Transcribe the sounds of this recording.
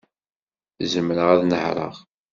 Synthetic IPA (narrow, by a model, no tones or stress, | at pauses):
zəmɾəʁæðnəhɾˤə̰ʁ